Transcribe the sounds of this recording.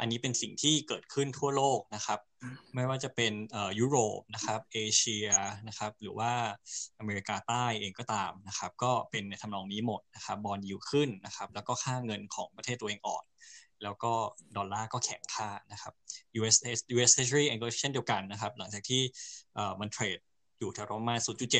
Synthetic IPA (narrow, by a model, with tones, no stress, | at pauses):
ʔa̰˧nːiː˦˥pe˧nsi˨˩ŋt̪ʰiː˥˩kɤː˨˩t̪̚kʰɯ˥˩nt̪ʰu˥˩ɐloː˥˩k̚na˦˥kʰa˦˥p̚ma˥˩jwaː˥˩t͡ɕa˨˩pe˧nʔɤː˨˩juː˦˥ɾoː˨˩p̚na˦˥kʰa˦˥p̚ʔeː˧t͡ɕʰi˧ɐna˦˥xʰa˦˥p̚ɾɯː˩˦waː˥˩ʔa˧meː˧ɾi˧˥kaː˧t̪aː˥˩jʔeː˧ŋkɔː˥˩t̪aː˧mna˦˥xʰa˦˥p̚kɔː˥˩pe˧nːa˨˩t̪ʰa˧mlɔː˧ŋniː˦˥mo˨˩t̪̚na˦˥xʰa˦˥p̚bɔː˧njiː˧˩kʰɯ˥˩nːa˦˥xʰa˦˥p̚lɛː˦˥wkɔː˥˩kʰaː˥˩ŋɤ˧nkʰɔː˩˦ŋpɾʰeː˥˩t̪ːʔeː˧ŋʔɔ̰ː˨˩nlɛː˦˥wkɔː˥˩dɔː˧nlaː˥˩kɔː˥˩kʰɛ˩˦ŋkʰaː˥˩na˦˥kʰa˦˥p̚juː˧ʔe˦˥se˦˥sjuː˧ʔeː˦se˦˥sɾiː˥˩ʔɛ˧ŋko˧˦i˥t͡ɕʰndi˧əwka˧nːa˦˥kʰa˦˥p̚la˩˦ŋt͡ɕaː˨˩k̚t̪ʰiː˥˩ʔɤː˨˩ma˧nt̪ʰɾeː˨˩t̪̚ | juː˨˩t̪ʰɛ˧ɾo˦˧maː˧nsuː˨˦t̪̚t͡ɕu˨˩t͡ɕe˨˩t̪̚